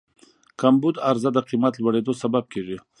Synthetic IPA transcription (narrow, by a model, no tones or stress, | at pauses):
kambud̪aɾzad̪əqimat̪lwaɽed̪osabab̚keʐi